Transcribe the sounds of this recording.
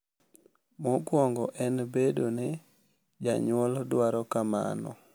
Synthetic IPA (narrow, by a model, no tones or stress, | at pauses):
mɔkwɔŋɡɔʔɛnbedone | d͡ʒa̰ɲwɔldwaɾɔkama̰nɔ̰